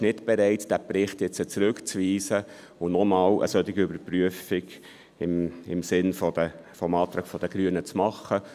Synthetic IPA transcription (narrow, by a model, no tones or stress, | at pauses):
ʃnɪtb̥ɛɾɛɪtd̥æpɾɪχt̪jɛt͡sət͡sɾʉkt͡sʋiːsə | ʊnɔmɑːwʔə̰sœt̪ɪɡiʏbəɾpryəfɪɡ | ɪmɪmsɪnfɔd̥̪ə | fɔmɑːt̪ɾɑːkfɔd̥̪əɡ̥ɾyːənət͡smɑχːə